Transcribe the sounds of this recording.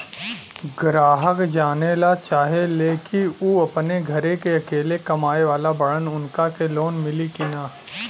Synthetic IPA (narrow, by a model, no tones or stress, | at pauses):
ɡɾaːɦəkd͡ʒaːnelat͡ʃaːɦeleːkiuɐpneɡʱɐɾekeɐkeːlekɐmaːeʋaːlabɐɽənʊnkakeloːnmɪlikɪnaː